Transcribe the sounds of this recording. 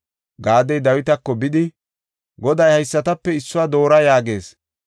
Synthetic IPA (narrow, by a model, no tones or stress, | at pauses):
ɡaːd̪ɛjd̪ɐwɪt̪ɐkːɔbɪd̪ɪ | ɡɔd̪ɐjhɐjsːɐt̪ɐpːɛɪsːʊwaːd̪o̞ːɾɐjaːɡe̞ːs